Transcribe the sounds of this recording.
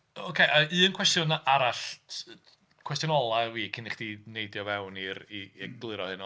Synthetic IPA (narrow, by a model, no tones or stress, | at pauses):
okʰeʔaɨːənkʰwɛstjʊnaʔaɾaɬ | kʰw̥ɛs̬tjʊnɔlˠawiːkʰɪnɪχd̥inejdjɔvɛwniɾiːɡ̥lˠɪɾɔhɨnɔ